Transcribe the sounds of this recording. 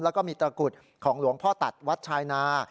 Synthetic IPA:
lɛ˦˥wkɔː˥˩miː˧t̪ɾaː˧ku˨˩t̪̚ | kʰɔː˩˦ŋlu˨˩˦əŋpʰɔː˥˩t̪a˨˩t̪̚wa˦˥t̪̚t͡ɕʰaː˧jnaː˧

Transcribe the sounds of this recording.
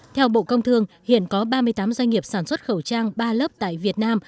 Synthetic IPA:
t̪ʰɛ˧wɓo̰˧˨kə˧wŋ͡mt̪ʰɨ˧əŋhḭ˧˨ənkɔ˨˦ɓaː˧mɨ˧əjt̪aː˨˦mzwŋ̟ŋi˨˩əp̚saː˧˩nswə˦˥t̚xə˧˩wt͡ɕaː˧ŋɓaː˧ləː˦˥p̚t̪a̰ː˧˨jvi˨˩ət̚naː˧m

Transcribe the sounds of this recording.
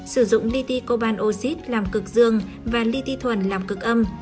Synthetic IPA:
sɨ˧˩zʊ̰˧˨ŋ͡mli˧t̪i˧ko˧ɓaː˧nʔo˧si˦˥t̚laː˨˩mkɨ˨˩k̚zɨ˧əŋ | vaː˨˩li˧t̪i˧t̪ʰwə˧˩nlaː˨˩mkɨ˨˩k̚ʔə˧m

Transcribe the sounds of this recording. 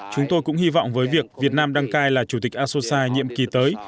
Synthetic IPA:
t͡ɕʊ˨˦ŋ͡mt̪o˧jkʊ̰˧˥ŋ͡mhi˧vɔ̰˧˨wŋ͡mvəː˨˦jvi˨˩ək̚vi˨˩ət̚naː˧mɗa˧ŋkaː˧jlaː˨˩t͡ɕu˨˧˩t̪ï˨˩k̟̚ʔaː˧so˧saː˧ɲḭ˧˨əmki˨˩t̪əː˨˦j

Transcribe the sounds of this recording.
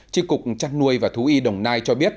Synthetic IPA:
t͡ɕi˧kʊ˨˩k͡p̚t͡ɕa˧nnu˧əjvaː˨˩t̪ʰu˨˦ʔi˧ɗə˨˩wŋ͡mnaː˧jt͡ɕɔ˧ɓi˦˥ət̚

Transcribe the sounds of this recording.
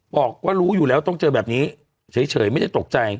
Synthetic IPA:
bɔː˨˩k̚waː˥˩ɾuː˦˥juː˨˩lɛː˦˥wt̪ɔ˥˩ŋt͡ɕɤː˧bɛː˨˩p̚niː˦˥ | sʰɤː˩˦jt͡ɕʰɤː˩˦jma˥˩jda˥˩jt̪o˨˩k̚t͡ɕa˧j

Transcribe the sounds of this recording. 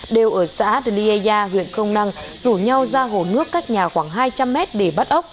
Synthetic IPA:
ɗe˨˩wʔəː˧˩sa̰ː˧˥ɗli˧e˧aː˧ɦwḭ˧˨ənxə˧wŋ͡mna˧ŋzu˧˩ɲa˧wzaː˧ɦo˧˩nɨ˦˥əkːaː˦˥k̚ɲaː˨˩xwaː˧˩ŋɦaː˧jt͡ɕa˧mːɛ˦˥t̚ɗe˧˩ɓa˦˥t̚ʔə˦˥wk͡p̚

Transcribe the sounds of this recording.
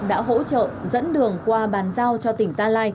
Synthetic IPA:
ɗa̰ː˧˥ɦo̰˧˥t͡ɕə̰ː˧˨zə̰˧˥nɗɨ˨˩əŋkwaː˧ɓaː˨˩˦nzaː˧wt͡ɕɔ˧t̪ï˧˩ŋ̟zaː˧laː˧j

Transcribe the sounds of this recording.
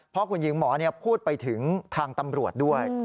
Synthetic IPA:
pʰɔ˦˥kʰu˧njɯ˦˥ŋmɔː˩˦ni˥˩ɐpʰuː˥˩t̪̚pa˧jt̪ʰɯ˩˦ŋt̪ʰaː˧ŋt̪a˧mɾu˨˩ət̪̚du˥˩əj

